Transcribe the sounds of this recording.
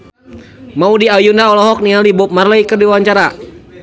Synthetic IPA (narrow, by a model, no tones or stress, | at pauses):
maudiajundaɔlɔɦɔk̚nialibʊp̚marlaikərdiwwaɲt͡ʃaɾa